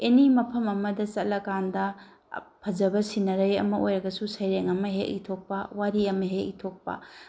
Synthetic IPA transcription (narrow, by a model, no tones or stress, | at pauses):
enimɐpʰɐmɐmɐdɐsɐlɐkandɐ | pʰɐd͡ʒɐbɐsinɐɾɐjɐ̰mɐojɾɐɡɐsusɐjɾeŋɐmɐɦḛʔḭtʰok̚pɐwaɾiɐmɐɦeitʰok̚pɐ̰